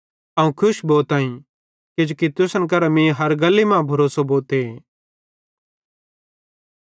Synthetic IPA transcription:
ɐũkʰʊʃboːt̪aːĩ | kɪd͡ʒoːkit̪ʊsənk̬ɐɾamẽːɦɐɾɡɐlːemãːbʱɐɾoːsoboːt̪e

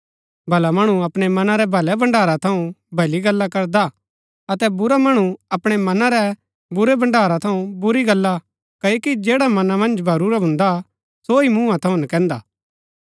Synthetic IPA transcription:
bʱɐlamɐɽ̃uɐpɽ̃emɐnaɾɛbʱɐlɛbɐ̃ɳɖaːɾat̪ʰɐũbʱɐliɡɐlːakɐɾd̪a | ɐt̪ɛbʊɾamɐɽ̃uɐpɽ̃emɐnãɾɛ | bʊɾebɐ̃ɳɖaːɾat̪ʰɐũbʊɾiɡɐlːa | kɐjokid͡ʒeːɽamɐnamɐ̃nd͡ʒbʱɐɾuːɾabʱʊ̃nd̪a | soimũːãt̪ʰɐũnɐkɛ̃ːnd̪a̰ː

